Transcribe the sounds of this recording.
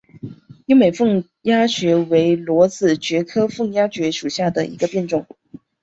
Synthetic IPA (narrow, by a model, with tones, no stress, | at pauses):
ji˥me˨˩ɪfɤ˥˩ŋ | ja˥ɕɥɛ˧˥we˧˥ɪlwɔ˧˥t͡sɹ̩˨˩t͡ɕɥɛ˧˥kʰɤ˥fɤ˥˩ŋja˥t͡ɕɥɛ˧˥ʂu˨˩ɕja˥˩d̪ə˩ʔḭ˧˥ɡə˧pjɛ˥˧nʈ͡ʂʊ˥˩ŋ